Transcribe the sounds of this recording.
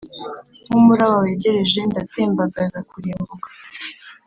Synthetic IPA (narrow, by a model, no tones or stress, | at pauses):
umuɾawaweːɟe̞ɾe̞ʒe̞ndateːmbaɡazakuɾeːmbuɡḁ